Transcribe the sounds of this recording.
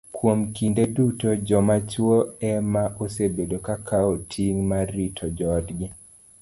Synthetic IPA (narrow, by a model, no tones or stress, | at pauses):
kwomkindedutɔd͡ʒɔmat͡ʃwoɛmaʔosebedokakʰaotʰiŋmaɾitʰɔd͡ʒɔdɡɪ